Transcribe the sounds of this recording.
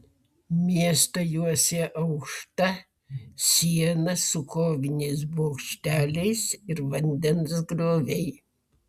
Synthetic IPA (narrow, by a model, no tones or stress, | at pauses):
mʲiɛst̪oːjuɔsʲɛʔɐʊkʃt̪ɐ | sʲiɛnɐsʊkoːʋʲɪnʲɛɪs̬boːkʃʲt̪ʲæːlʲɛɪsɪɾʋɐnʲd̪ʲɛnsɡɾoːʋʲɛɪ